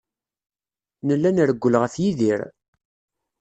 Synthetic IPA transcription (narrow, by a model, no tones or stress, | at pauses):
nəlːænɾəɡʷːələʁæθjiðiɾ